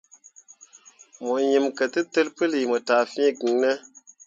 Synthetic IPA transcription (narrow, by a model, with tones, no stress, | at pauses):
mo˨ji˨mkə˨tɨ˦tɨ˦lpɨ˦li˨mo˨ta˨fĩ˦˨ki˨ŋnə˦